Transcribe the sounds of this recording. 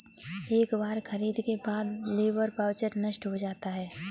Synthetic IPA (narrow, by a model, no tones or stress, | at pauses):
eːkbaːɾxʰɐɾiːd̪kebaːd̪leːʋəɾpaːwt͡ʃəʈnəʃʈɦod͡ʒaːt̪aɦɛː